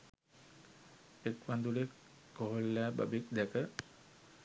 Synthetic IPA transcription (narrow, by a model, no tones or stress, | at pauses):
ekʋand̪uɾekː | oɦolːæːba̰bekd̪ɛkə